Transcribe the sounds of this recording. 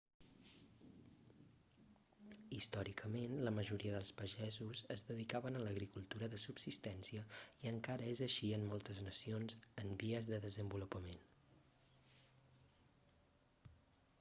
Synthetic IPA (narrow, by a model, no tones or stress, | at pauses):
ist̪ɔɾikʰəmenləməʒuɾiəðəlˠspəʒɛzuzəzðəðikaβənələɣɾikulˠt̪uɾəðəsubsist̪ɛnsiəiəŋkaɾəezəʃiəmːɔlˠt̪əznəsionzəmbiəzðəðəzəmbulupəmen